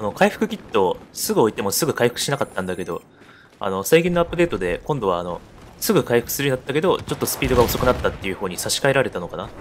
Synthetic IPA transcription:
ano̞kaiɸɯ̟̥kɯ̟kʲit̪ːo̞sɨɡɯ̟o̞it̪e̞mo̞sɨɡɯ̟kaiɸɯ̥kɯ̟ɕinakat̪ːãnd̪ake̞d̪o̞̰ | a̰no̞saiɡʲĩnːo̞apːɯ̟d̪e̞ːt̪o̞d̪e̞kõnd̪o̞βa̰ːno̞̰ | sɨɡɯ̟kaiɸɯ̟̥kɯ̥sɨɾɯ̟inat̪ːake̞d̪o̞t͡ɕo̞t̪ːo̞sɨ̥pʲiːd̪oɡaoso̞kɯ̟nat̪ːat̪ːejɯ̟ɸoːɲ̟isaɕi̥kae̞ɾaɾe̞t̪ano̞kana

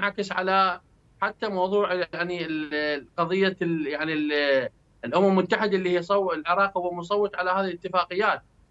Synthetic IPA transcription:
ʕakɪsʕa̰la | ħat̪ːamawðˤuːʕjaʕni | qɑðˤɨjːajaʕnil | lʔʊmammʊt̪ːaħɪd̪aʔlːihijsˤɑwlʕɪɾˤɑːqhʊwːamʊsˤɑwːɨt̪ˤʕalahaːðilət̪ːɪfaːqɪjːaːt̪̚

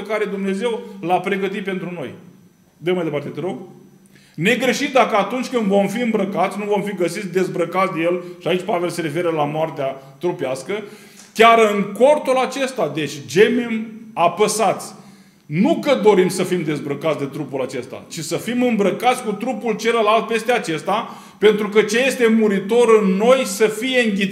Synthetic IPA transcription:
əkaɾe̞d̪umne̞ze̞wlapɾe̞ɡət̪it̪̚pe̞nt̪ɾuno̞̰j | d̪əmajd̪epart̪e̞t̪ɾoɡ | ne̞ɡɾe̞ʃit̪d̪akəat̪unt͡ʃʲkɨnd̪vo̞mfiɨmbɾəkat̪sʲnuvo̞mfiɡəsit̪sʲd̪e̞zbɾəkat̪sʲd̪ejelʃiait͡ʃʲpave̞lse̞ɾe̞fe̞ɾəlamoart̪ea | t̪ɾupaskə | kʲaɾɨŋko̞rt̪ulat͡ʃe̞st̪ad̪e̞t͡ʃʲd͡ʒememapəsat̪sʲ | nukəd̪o̞ɾimsəfimd̪e̞zbɾəkat̪sʲd̪e̞t̪ɾupulat͡ʃe̞st̪a̰t͡ʃisəfimɨmbɾəkat̪sʲkut̪ɾupult͡ʃe̞ləlalt̪̚pe̞st̪eat͡ʃe̞st̪a | pe̞nt̪ɾukət͡ʃeje̞st̪e̞muɾit̪o̞ɾɨnːo̞jsəfije̞ɨŋɡʲi

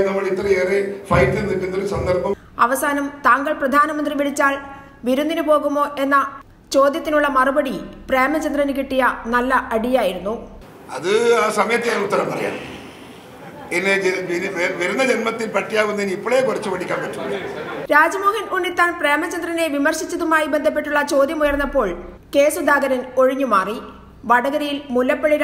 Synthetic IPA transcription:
nɐmːɐɭit̪rɐeːrifɐjtːenːindenːɐlsɐnd̪ɐrpɐm | ɐʋɐsaːnɐmt̪aːŋɡɐɭprɐd̪ʱaːnɐmɐnd̪riʋiɽit͡ɕːaːɭ | ʋiɾund̪inupo̞ːɣumo̞ːʔe̞nːɐ | t͡ɕo̞ːd̪jɐt̪ːinuɭːɐmɐrubɐɽipreːmɐt͡ɕɐnd̪rɐnɨk̬iʈːijɐnɐlːɐʔɐɽijaːjiɾunːu | ɐ̰ðɨaːsɐmɐjɐt̪ːijaːjnɐut̪ːɐɾɐmpɐrɐ̰ja̰ːɳ | enːeeʋɐɾunːɐd͡ʑenmɐt̪ːilpɐʈːijaːʋunːɐinipːoɭejekurɐt͡ɕːɨʋɐɽikʲːaːnpɐʈːumɾaːd͡ʑɐmoːhɐnunːit̪ːaːnpreːmɐt͡ɕɐnd̪rɐne̞ʋimɐrɕit͡ɕːɐðumaːjibend̪ʱɐp̬ːe̞ʈːuɭːɐt͡ɕo̞ːd̪jɐmujɐrnːɐpːo̞ːɭ | ke̞ːsud̪ʱaːɡɐɾɐno̞ɻiɲːumaːri | ʋɐɽɐɡɐɾɐjilmulːɐpːɐɭiɾ

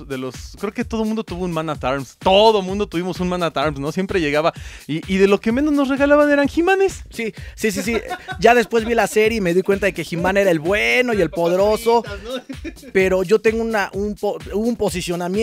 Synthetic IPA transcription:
ðeloskɾeoket̪o̞ð̞o̞mũnd̪ot̪uβounmãnat̪aɾmst̪oðomũnd̪ot̪uβimo̞sunmãnat̪aɾmsno̞sje̞mpɾe̞ʝe̞ɣaβaiʔːðe̞lo̞ke̞menoznosreɣalaβane̞ɾaŋximãnessisis̬is̬iɟ͡ʝaðe̞spwe̞zβilase̞ɾjeime̞ðikwent̪aðe̞keximãne̞ɾae̞lβweno̞je̞lpo̞ðe̞ɾo̞so̞ | pe̞ɾoʝo̞t̪e̞ŋɡounaʔunpouβoumpo̞sisjo̞namje

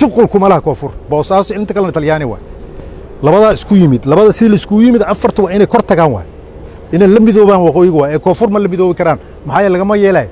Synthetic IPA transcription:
t̪ɪqʊlkʰʊmɐlɐhɐkʰɔːfʊrbɔːsaːsɔɪɪnt̪ɐkʰɐlɛnɐt̪ʰɐljaːnɪwɑ̰ː | lɐβɐðaːɪskʰʊjɪmɪd̪lɐβɐðɐsɪðiːlɐɪskʰʊjɪmɪd̪ɐfɐrt̪ʰɐwɑːɪnɛjkʰɔrt̪ʰɐɣaːnwɑ̰ː | ɪnɛjlɐmɪðɔːβaːnwɑqɔːjɪɣʊwaːɛːkʰɔːfʊrmɐlɐmɪðɔːβɪkʰɐɾaːn | mɐħaːjɐɾɛlɐɣɐmɐjɛːlaːj

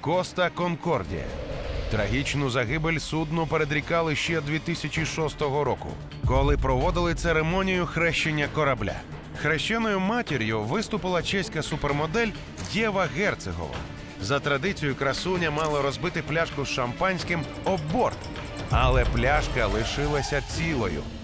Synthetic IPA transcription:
kɔst̪ɐkɔnkɔrdʲḭjɐ̰t̪ɾɐɦʲit͡ʃnʊzɐɦɪbelʲsud̪nʊpeɾed̪ɾʲikɑlˠɪʃt͡ʃɛd̪ʲʋʲit̪isʲɐt͡ʃʲiʃɔst̪ɔɦɔɾɔkʊ̰ | kɔlˠɪpɾɔʋɔd̪ɪlˠɪt̪seɾemɔnʲijʊxɾɛʃt͡ʃenʲːɐkɔɾɐblʲa̰ | xɾɛʃt͡ʃɛnɔjʊmatʲeɾʲjʊʋɪst̪ʊpɪlˠɐt͡ʃɛsʲkɐsupermɔd̪ɛlʲ | dʲɛʋɐɣɛrt̪seɦɔ̰ʋɐ̰ | zɐt̪ɾɐd̪ɪt͡sʲijʊkɾɐsunʲɐmɑlˠɐɾɔzbɪt̪ɪplʲaʃkʊsʃɐmpɑnʲsʲkɪm | ɔbɔrt̪m | ɐlˠɛplʲaʃkɐlˠɪʃɪlˠɐsʲɐt͡sʲilˠɔjʊ̰

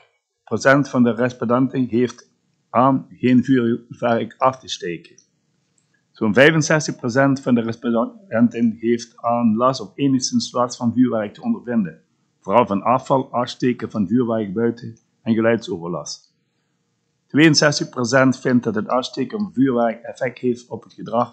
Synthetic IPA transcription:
prosɛntfɑndəʁɛspɔdɛntɪnɦeːft | ʔaːmxeːnvyːvɛʁkɑftəsteːkə | z̥oːnvɛjvənsɛstəxprosɛntfɑndərpɛntɪnheːftaːnlɑsɔpeːnəxstənswɑsfɑnvyːɹʋɛʁək̚tʰəɔndərvɪndən | v̥oːrɑlˠvɑnɑːfɑlˠɑːsteːkəvɑnvyːɹʋɛrk̚bœɥtə | ɛnɣəlœɥtsoːvərlɑ̰s | tʋeːənsɛstəxprosɛntfɪnt̚dɑtɦətɑsteːkəvyːɹʋɛʁkɛfɛk̚theːftɔpɦətxədrɑx

